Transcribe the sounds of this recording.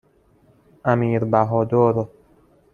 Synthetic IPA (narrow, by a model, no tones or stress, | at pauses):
æmiːɾbæɦɔːd̪oːɾo